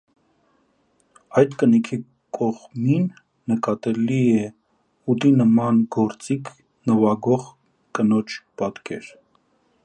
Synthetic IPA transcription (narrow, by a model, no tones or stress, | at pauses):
ɑjt̪kənikʰi | kʰɔʁminː | əkɑt̪ɛliɛ | ut̪inəmɑnɡɔɾt͡sikʰ | nəvɑɡɔʁ | kənɔt͡ʃʰpɑt̪kʰɛ̰ɾ